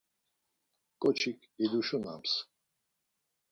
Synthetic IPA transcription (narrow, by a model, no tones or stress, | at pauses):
kʼɔt͡ʃʰikʰ | id̪uʃuna̰ms